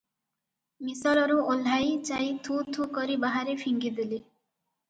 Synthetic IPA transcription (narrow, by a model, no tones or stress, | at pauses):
misalɔɾuol̤ːajt͡ʃajt̪ʰut̪ʰukɔɾibaɦaɾepʰiŋɡid̪eli